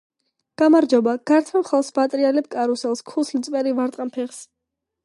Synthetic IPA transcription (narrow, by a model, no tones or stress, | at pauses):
ɡ̥amaɾd͡ʒɔbaɡ̥aɾt̪ʰamχalˠsbat̪ʼɾialɛp̚kʼaɾusɛlˠskʰuslit̪sʼpʼɛɾivaɾt̪ʼqʼampʰɛʁs